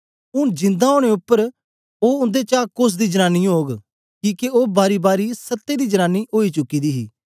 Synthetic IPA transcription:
ʊnd͡ʒɪ̃nd̪aːɦoːɽ̃eːʊpːəɾ | oːʊ̃nd̪eːt͡ʃaːkʊs̬d̪iːd͡ʒənaːnːiːɦoːɡ | kiːkeoːbaːɾiːbaːɾiːsət̪ːeːd̪iːd͡ʒənãːnːiːʔoːiːt͡ʃʊkːiːd̪iːɦiː

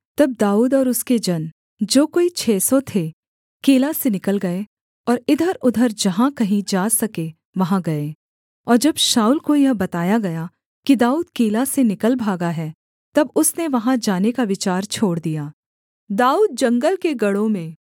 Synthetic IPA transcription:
t̪ɐb̚d̪aːuːd̪ɔːɾʊsked͡ʒɐn | d͡ʒoːkoːit͡ʃʰɛːsot̪ʰe | keːlasenɪkəlɡɐe | ɔːɾɪd̪ʱəɾʊd̪ʱəɾd͡ʒɐɦãkɐɦĩd͡ʒaːsɐke | ʋɐɦãɡɐe | ɔːɾd͡ʒɐbʃaːulkojɐɦbɐt̪aːjaɡɐja | kid̪aːuːd̪̚keːlasenɪkəlbʱaːɡaɦɛː | t̪ɐbʊsneʋɐɦãd͡ʒaːnekaʋɪt͡ʃaːɾt͡ʃʰoːɽd̪ijaː | d̪aːuːd̪̚d͡ʒɐ̃ŋɡəlkeɡɐɽõmẽː

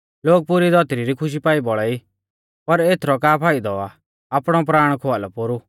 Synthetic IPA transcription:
loːɡ̚pʊɾid̪ɔt̪ɾiɾikʰʊʃ̬ipaːibɔɭɛi | pɐɾeːt̪ʰɾɔkaːpʰaːid̪ɔaː | pɽ̃ɔpɾaːɽ̃kʰoalɔpʊɾu

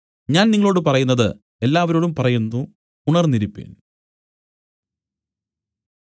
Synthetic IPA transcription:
ɲaːnniŋːɐɭo̞ːɽɨpɐrɐjunːɐðɨ̰ | e̞lːaːʋɐɾo̞ːɽumpɐrɐjunːu | uɳɐrniɾipːḛːn

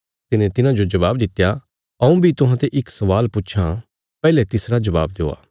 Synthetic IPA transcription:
t̪ɪnẽt̪ɪnãd͡ʒod͡ʒɐʋaːbd̪ɪt̪ːja | ɐũbʱit̪ʊɦãt̪eʔɪksɐʋaːlpʊt͡ʃʰa | pɛːlɛt̪ɪsɾad͡ʒɐba̰ːb̚d̪eo̰ːa̰ː

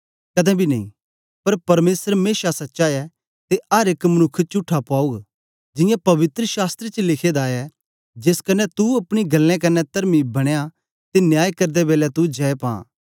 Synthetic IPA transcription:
kɐd̪ɛ̃bʱinɐḭ̃ | pɐɾpɐɾmeːsəɾmeːʃasɐtːʃaːɛ | t̪eɐɾeːkmɐnʊkʰːt͡ʃʊʈʰːapaːuɡ | d͡ʒɪ̃jãpɐʋɪt̪ɾəʃaːst̪ɾet͡ʃəlɪkʰed̪aːjɛ | d͡ʒeːskɐnːɛt̪uɐpɽ̃iɡɐlːɛ̃kɐnːɛt̪ɐɾmibɐɽ̃eja | t̪enjaːjkɐɾd̪ɛbeːlɛt̪ud͡ʒɛːepã̰ː

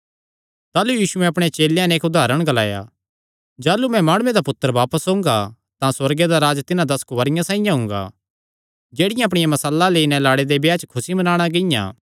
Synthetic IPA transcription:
t̪aːlujiːsʊɛ̃ɐpɽ̃et͡ʃeːljãnɛːkʊd̪ʱaːɾəɽ̃ɡɐlaːja̰ | d͡ʒaːlumɛ̃maːɽ̃ʊẽd̪apʊt̪ːəɾʋaːpəsɦʊ̃ːŋɡa | t̪ãswɐɾɡed̪aɾaːd͡ʒt̪ɪnãd̪ɐskʋɐɾɪjãsãːĩjãɦʊ̃ŋɡa̰ | d͡ʒeːɽɪjãɐpɽ̃ɪjãmɐsəlːaleːinɛlaːɽed̪ebjaːt͡ʃkʰʊsimɐnaːɽ̃aɡɪjã̰ː

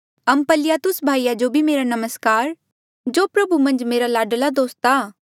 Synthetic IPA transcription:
ɐmpəlɪjat̪ʊsbʱaːijad͡ʒobʱimeːɾanɐməskaːɾ | d͡ʒoːpɾɐbʱumɐ̃nd͡ʒmeːɾalaːɖəlad̪oːst̪aː

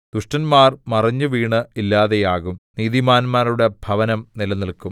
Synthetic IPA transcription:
d̪uʂʈɐnmaːrmɐrɐɲːuʋiːɳɨilːaːðe̞jaːɣumniːðimaːnmaːɾuɽe̞bʱɐʋɐnɐmnilɐniɭkːum

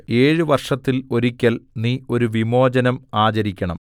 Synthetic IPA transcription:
e̞ːɻɨʋɐrʂɐt̪ːilo̞ɾikʲːɐlniːo̞ɾuʋimo̞ːd͡ʑɐnɐmaːt͡ɕɐɾikʲːɐɳɐ̰m

